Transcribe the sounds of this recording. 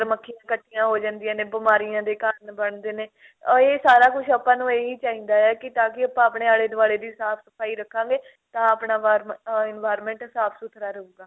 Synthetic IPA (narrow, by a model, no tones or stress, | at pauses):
ɾməkʰːɪjãːkəʈːijãːɦoːd͡ʒãːnd̪ɪjãːnẽːbɪmaːɾɪjãːd̪eːkaːɾənbəɳd̪eːneː | eːsaːɾaːkʊʃʰəpãːnũːeːiːt͡ʃaːĩːnd̪aːɛːkɪt̪ãːkɪəpãːəːpɳeːaːɽeːd̪ʊʋaːɽeːd̪iːsaːpʰsəpʰaːiːɾəkʰːãːɡeː | t̪ãːaːpɳaːʋaːɾmɪnʋaːjɾmɛ̃ːɳʈsaːpʰsʊt̪ʰɾaːɾəuːɡaː